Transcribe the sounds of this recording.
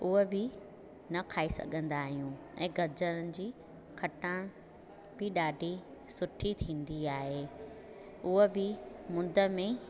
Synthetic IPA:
ʊɦebɪ | nɐkʰaːesɐ̰ɠʱə̃nd̪aːɦijũ | ɛ̰̃ːɡʱɐɾd͡ʑənənɪ̆d͡ʑiː | kʰɐʈəɽ̃ | b̥ɪɗaːɖʱisʊʈʰit̪ʰĩːn̆d̪iaːɦeː | ʊɦebɪmʊ̃nd̪ʱə̆mẽ

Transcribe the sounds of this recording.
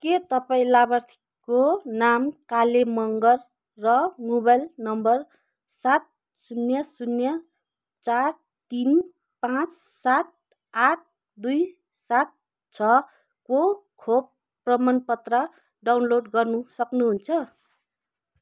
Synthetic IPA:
ket̪ʌpaĩlabʌrt̪ʰi̥ | konamkalemʌŋɡʌrː | ʌmobajlnʌmbʌr | sat̪̚ | sunjʌsunjʌ | t͡sar | t̪in | pãt͡ssat̪̚ | aʈ̚ʰ | d̪uj | sat̪̚ | t͡sʰʌ | kokʰob̚ | prʌmʌnpʌt̪rʌ | ɖawnloɖɡʌrnusʌknuɦunt͡sʰʌ

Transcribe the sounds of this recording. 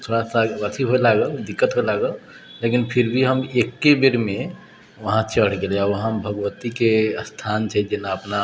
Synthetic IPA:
t̪ʰoɽasaət̪ʰiɦoelaɡəld̪ikːət̪ɦoelaɡəl | lekinpʰiɾbʱiɦəmekːebeɾme | ʋəɦãt͡ʃəɽ̤ɡelɛaɾʋəɦãbʱəɡʋət̪ikeəst̪ʰant͡ʃʰɛd͡ʒenaəpna

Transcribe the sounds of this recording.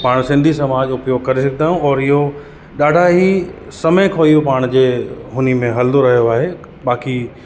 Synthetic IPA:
paːɽ̃sɪ̃nd̪ʱisɐmaːd͡ʑʊpjoːɡ̚kɐɾisɐk̚ʰd̪aːjũɔːɾɪɦo | ɗaːɖʱaɦisɐmə̃kʰoːijũpaːɽ̃d͡ʑeːɦʊnimẽɦɐld̪oɾɐɦijoaːɦe | ɓaːki

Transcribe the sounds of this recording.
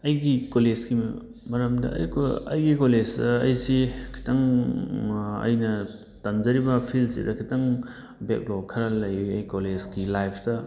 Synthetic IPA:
ɐjɡikolezɡim | mɐɾɐmdɐ̰ɐ̰jkɐjɡikolezdɐːjsikʰi̥taŋ | ɐ̰jnɐ | tɐmzɐɾibɐpʰilsḭdɐkʰitaŋ | bek̚lokʰɐɾɐlɐjɐjkolezkilajpʰtɐ

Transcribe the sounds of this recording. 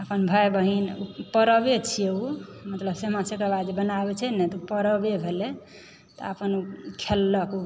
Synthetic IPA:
əpənbʱajbəɦinupəɾəbet͡ʃʰijeumət̪ləbsemãsekabad̪d͡ʒebənabɛt͡ʃʰɛnɛt̪ɔpəɾəbebʱele | t̪ɔ̰əpənukʰelːəku

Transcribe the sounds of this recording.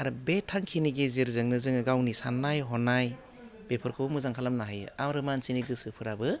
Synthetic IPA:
aɾɯbetʰːaŋkʰiniɡeziɾzɯŋnɯzɯŋɯɡawnisanːajɦɔnaj | b̥epʰɯɾkʰɯbɯmɯzaŋkʰalamnaɦajamɾɯmansiniɡɯsɯpʰɯɾabɯ

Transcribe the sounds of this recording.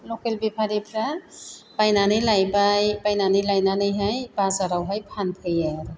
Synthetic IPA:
lɔkelbepʰaɾipʰɾabajnanɯjlajbajbajnanɯjlajnanɯjɦajbazaɾawɦajpʰanpʰɯjaɾ

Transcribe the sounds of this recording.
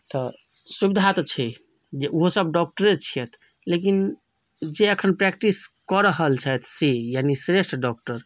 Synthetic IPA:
t̪ɔ | subid̪ʱat̪t͡ʃʰi | d͡ʒeuɦosəb̚ɖɔk̚ʈəɾet͡ʃʰijɛt̪ʰ | lek̬in | d͡ʒeəkʰənpɾɛkʈiskɔɾəɦəlt͡ʃʰɛt̪ʰsejanisɾeʃʈɾɖɔk̚ʈəɾ

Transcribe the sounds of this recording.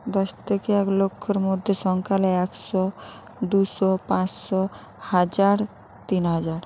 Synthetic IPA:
d̪ɔst̪ʰekeɛklokʰːɔɾmod̪ʱjoʃɔŋkʰalɛksɔ | d̪usɔpãt͡ʃsɔ | had͡ʒaɾ | t̪inɦad͡ʒaɾ

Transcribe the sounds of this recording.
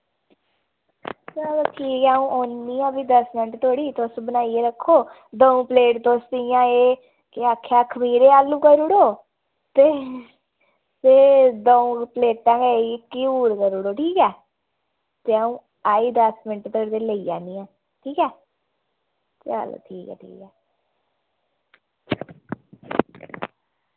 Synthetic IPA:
slʈʰiːkɛəũːʔoːnːiːãːbiːd̪əsmɪnəʈt̪oːɽiːt̪osbənaːiːeːɾəkʰːoː | d̪əũːpəleːʈt̪ʊst̪ɪjãːeː | kɪaːkʰːaːkʰəmiːɾeːaːlːũːkəɾʊɽoː | t̪eː | t̪eːd̪əũːpleːʈːãːɡekːiuːɾkəɾʊɽoːʈʰiːkɛː | t̪eaũː | aːiːd̪əsmɪnʈt̪əəɾd̪eːləiːd͡ʒaːniːãː | ʈʰiːkɛː | t̪ea̰lo̰ːʈʰiːkɛ̰ːʈʰḭːkɛː

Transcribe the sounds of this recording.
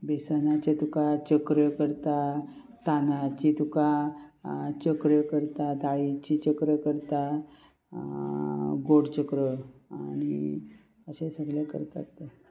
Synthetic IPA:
besanat͡ɕet̪ukat͡ɕəkɾəkəɾt̪a | t̪anat͡ɕit̪uka | t͡ɕəkɾəkəɾt̪ad̪ʱaɭit͡ɕit͡ɕəkɾəkəɾt̪a | ɡoɽt͡ɕəkɾəa̰ñi | əɕẽsəɡljakə̰ɾt̪a̰t̪

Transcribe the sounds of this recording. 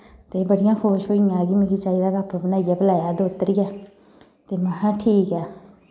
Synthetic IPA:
t̪eːbəɽɪjãːkʰoːʃoːɪjãːɡiːmɪ̃ɡit͡ʃaːiːd̪aːɡapəbənaːijaːbəlaːjaːd̪oːt̪əɾɪjaː | t̪eːməɦãːʈʰiːkɛː

